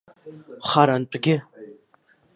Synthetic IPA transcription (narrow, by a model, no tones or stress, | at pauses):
χaɾant͡ʃʷʼɡʲɪ